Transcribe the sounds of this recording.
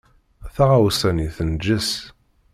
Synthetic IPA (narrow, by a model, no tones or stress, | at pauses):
θaʁawsæniθənd͡ʒəs